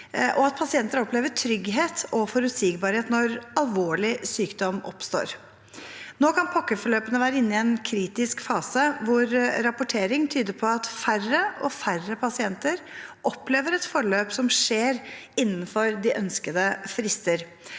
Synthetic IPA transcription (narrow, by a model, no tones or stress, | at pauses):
ʔɔɑt̪̚pʰɑsɪɛnt̪əɾɔpʰleːʋəʈʰɾʏɡɦeːt̪ʰɔfɔɾʉsiɡbɑɾheːt̪nɔɾɑlʋoːɭɪsyːkd̪ɔmɔ̰pst̪o̰ːɾ | noːkʰɑnpʰɑkːəfɔɭøːpənəʋæːɾəɪnːɪɛnkʰɾiːt̪ɪskfɑːsəʋʊɾɾɑpʊʈʰeːɾɪŋt̪ʰyːd̪əɾpʰɔɑt̪færəʔɔfærəpʰɑsɪɛnt̪əɾʔɔpleːʋəɾɛt̪fɔɭøːpsɔmʂeːɾ | ɪnːn̩fɔɾd̪ɪʔœnskəd̪əfɾɪst̪əɾ